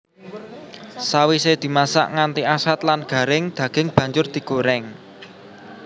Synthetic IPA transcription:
sawised̪̥i̤masa̰ʔŋant̪iasat̪̚lanɡ̥ä̤ɾɪŋd̪̥ä̤ɡ̥ɪ̤ŋb̥ä̤ɲd͡ʒʊrd̪̥i̤ɡ̥oɾɛŋ

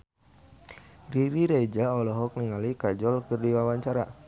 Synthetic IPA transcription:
riɾiɾed͡ʒaɔlɔɦɔk̚niŋalikad͡ʒɔlkɨrdiwawaɲt͡ʃaɾa

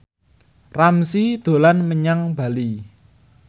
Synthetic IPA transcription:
ramsid̪̥o̤lanməɲaŋb̥a̤li

